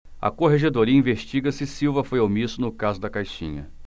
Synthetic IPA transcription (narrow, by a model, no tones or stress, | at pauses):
ɐ̰koɦeʒed̪oɾiɐĩveʃt͡ʃiɡɐsɪsiwvɐfojawmisʊnʊkazʊd̪ɐkajʃḭ̃ɲɐ̰